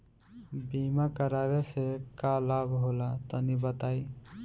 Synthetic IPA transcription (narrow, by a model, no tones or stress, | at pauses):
bimakəɾaβesekalabɦolat̪ɔnibət̪aj